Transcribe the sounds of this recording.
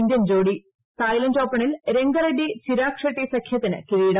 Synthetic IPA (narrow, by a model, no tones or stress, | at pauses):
nd̪jɐnd͡ʑoːɽi | t̪aːjlɐntoːpːɐɳilɾe̞ŋɡɐɾɐɖisiɾaːkʂɐʈːisɐkʰjɐt̪ːinɨ̰kiʋiːɽɐ